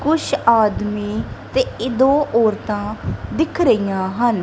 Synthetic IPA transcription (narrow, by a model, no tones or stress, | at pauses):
kʊʃʰaːd̪miːt̪eːɪd̪õːʔɔːɾt̪ãːd̪ɪkʰɾəijãːɦən